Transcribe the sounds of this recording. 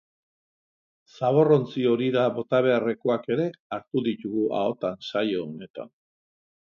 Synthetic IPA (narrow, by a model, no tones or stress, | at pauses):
saβ̞o̞ro̞nt͡sio̞ɾiðaβo̞t̪aβ̞e̞are̞koake̞ɾe̞aɾt̪uðit̪uɣuʔa̰o̞t̪ansajoːne̞t̪a̰n